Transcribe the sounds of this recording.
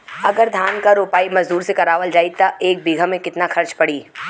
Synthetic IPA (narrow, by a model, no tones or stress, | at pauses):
ɐɡəɾd̪ʱaːnkaɾoːpaːimɐzd̪uːɾsekɐɾaːʋəld͡ʒaːit̪ɐeːk̚bɪɡʱəmẽkɪt̪naxɐɾt͡ʃpɐɽiː